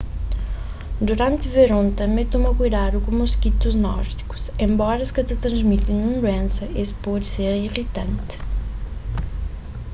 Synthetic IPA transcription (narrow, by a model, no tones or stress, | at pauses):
d̪uɾɐ̃nt̪ɨveɾõnt̪ɐmet̪omɐkujðaɾukumuskit̪uznɔ̰ɾd̪iku̥sẽmbɔɾɐskɐt̪ɐt̪ɾɐ̃zmit̪ɪnũnd̪wẽnsɐespɔd̪seɾiʁit̪ɐ̃nt̪